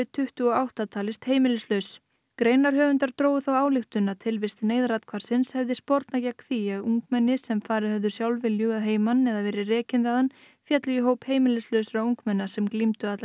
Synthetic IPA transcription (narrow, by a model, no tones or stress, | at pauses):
ɪt̪ʰʏht̪ʏɔawht̪at̪ʰaːlɪst̪heːjmɪlɪslœɥs | kɾeːjnaɾ̥ɦœːvʏnt̪aɾ̥t̪ɾoːwʏθawaːwlɪxt̪ʏnːat̪ʰɪlvɪst̪ɪneːjðɾat̪kʰvaɾ̥sɪnshɛvðɪspɔɾt̪nacakθiaðuŋkmɛnːɪsɛmfaːɾɪhœvðʏ̥sjawlvɪljʏaðɦeːjmanɛðavɛːɾɪrɛːcɪnðaðan | fjat̪lʏiɦoːwpheːjmɪlɪslœɥsʏɾauŋkmɛnːasɛmklimt̪ʏat̪la